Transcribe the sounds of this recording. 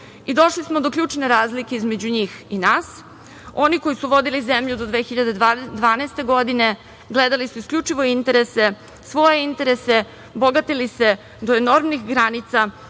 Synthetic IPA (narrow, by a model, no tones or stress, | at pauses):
id̪o̞ʃlismo̞d̪okʎuːt͡ʂne̞ɾaːzlikeizme̞d͡ʑuɲiːxinaːs | o̞niko̞jisuʋo̞d̪ilizemʎud̪od̪ʋeːxiʎad̪ed̪ʋaːnɛːst̪e̞ɡo̞d̪ine̞ | ɡled̪alisuiskʎʲut͡ʂiʋo̞int̪e̞ɾe̞se̞ | sʋo̞je̞int̪e̞ɾe̞se̞ | boɡat̪ilise̞ | d̪oeno̞ɾmnixɡɾanit̪sa